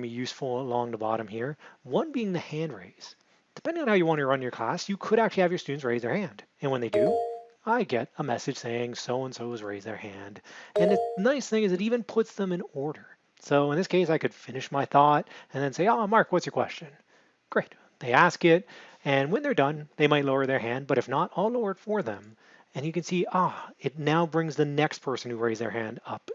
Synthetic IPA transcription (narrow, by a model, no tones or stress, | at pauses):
mijʉsfl̩ˠəlɔ̃ŋðəbɑ̰ɾɨ̃mhiɹwʌ̃nbiɪ̃ŋðɨhæ̃ndɹḛɪz̥ | d̥ɨpʰɛ̃ndɪ̃ŋɨ̃nhaʊjɨwɑ̃ñɨɹʌ̃njə˞kʰl̥æ̰sjɨkʰɨɾækt͡ʃʉl̩ˠiɨvjə˞stʉdⁿn̩sɹeɪzðə˞hæ̃nd̥ | ɨ̃nwə̃nðeɪdɨ | aɪɡɛɾəmɛsɨd̥ʒ̥seɪɪ̃ŋsoʊə̃nsoʊɨzɹeɪzðə̰˞hæ̃ndɨ̃nɨnaɪsθɪ̃ŋɨzɨɾivɨ̃npʰʊtsðə̃mɨ̃nɔɹɾə˞ | soʊə̃nðɪskʰeɪsaɪkɨd̥fɪ̃nɨʃmaɪθɔɾɨ̃nðɨ̃nseɪomɑɹkwʌtsjə˞kʰw̥ɛ̰st͡ʃɨ̃n | ɡ̥ɹeɪt̪̚ | ðeɪæskɪɾ̚ | ɨ̃nwɨ̃nðə˞dʌ̃nðeɪmaɪtˡloʊə˞ðə˞ɦæ̃nd̚bʌɾɨfnəɾɔloʊə˞d̥fə˞ðə̰̃m | ɨ̃njɨkɨ̃nsiɑɪtⁿnaʊbɹɪ̃ŋzðɨnɛkspʰɜ˞sn̩hʉɹeɪzðə̰˞hæ̃ndʌ̰p